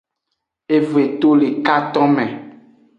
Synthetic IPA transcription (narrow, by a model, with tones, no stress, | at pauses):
e˦ve˨t̪o˦le˨ka˦t̪ɔ̃˦mɛ̃˨